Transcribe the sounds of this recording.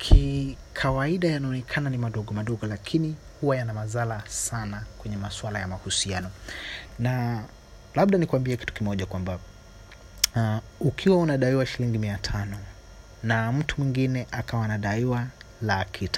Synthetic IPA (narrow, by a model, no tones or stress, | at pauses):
kʰikʰawaiɗajanaɔnɛkʰananimaɗɔɠɔmaɗɔɠɔlakʰini | huwajanamazalasanakwɛɲɛmaswalajamahusianɔna | laɓɗanikuambiɛki̥tu̥kimɔʄakwamba | ukʰiwaunaɗaiwaʃiliŋɡimiatʰanɔ | nam̩tʰumwiŋɡinɛʔakawanaɗaiwalakʰitḁ